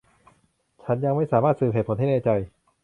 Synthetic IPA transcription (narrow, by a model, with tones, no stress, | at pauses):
t͡ɕʰa˦˥nja˧ŋma˥˩jsaː˩˦maː˥˩t̪̚sɯː˨˩pɦeː˨˩t̚pʰo˧˦nɦa˥˩nɛː˧˩t͡ɕa˧j